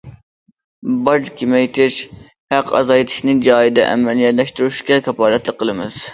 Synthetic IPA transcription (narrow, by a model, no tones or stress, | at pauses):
bɑd͡ʒkʲimɛjt̪ʰɪʃ | hæqʰɑ̰zɑjit̪ʰɪ̥ʃʲnɪd͡ʒɑːid̪ɛ̰ʔɛ̰mɛlˠijɛt̪lɛʃt̪uɾuʃkʲɛkʰʲɑpɑːɾɛt̪lˠɨqʰːəlˠɨmɨz̥